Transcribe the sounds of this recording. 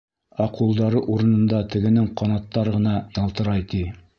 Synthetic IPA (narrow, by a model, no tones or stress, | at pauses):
ɑqulˠd̪ɑɾɤʔuɾɤ̆nɤ̆nd̪ɑt̪ɘ̆ɡɘ̆nɘŋqɑnɑt̪ːɑɾʁɤ̆nɑjɑlˠt̪ɤ̆ɾɑjt̪i